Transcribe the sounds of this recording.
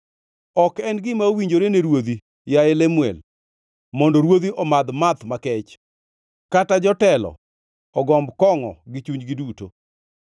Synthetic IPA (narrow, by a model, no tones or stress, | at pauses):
ɔkɛnɡɪmaowiɲd͡ʒoɾeneɾwod̪i | jaɪlemwɛ̰l | mɔndɔɾwod̪iʔɔmad̪mat̪makɛt͡ʃ | katad͡ʒɔtɛlɔ̰ | ɔɡɔmbkɔŋɔ̰ɡɪt͡ʃuɲd͡ʒɡɪduto̰